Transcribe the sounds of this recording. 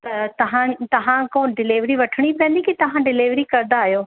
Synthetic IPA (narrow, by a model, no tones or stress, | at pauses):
t̪ɐt̪ɐɦãt̪ɐɦãkoːnɖɪleːʋɾiʋɐʈʰəɽ̃ipɛ̃ːnd̪ikit̪ɐʋ̤ãɖɪleːʋɾikɐɾnd̪aːɦijoː